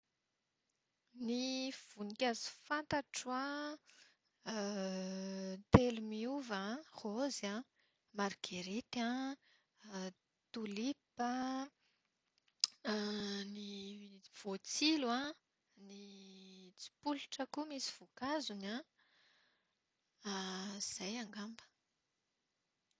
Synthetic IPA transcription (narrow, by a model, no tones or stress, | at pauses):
niv̥unikʲazi̥fant̪aʈ͡ʂwã | t̪elumiuvãχozã | maɾɡaɾit̪ã | t̪ulipə | niv̥ot͡silã | ni | t͡si̥puluʈ͡ʂəkumisi̥v̥ukazunã | az̥ajaŋɡambə̥